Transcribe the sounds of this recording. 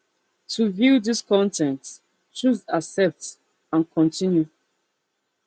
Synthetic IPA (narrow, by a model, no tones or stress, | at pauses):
tʰuvjuðiskʰɔ̃ntʰɛ̃nt | t͡ʃuzasɛp̚t | ãnkʰɔ̃ntʰĩnju